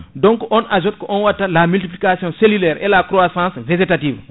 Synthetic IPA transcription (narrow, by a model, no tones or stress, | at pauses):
dɔ̃ŋkɔʔɔnaʒɔt̚kɔʔɔnwatːalamyltiplikasjɔ̃selylɛːɾʔɛlakɾoasãːsved͡ʒetatiːv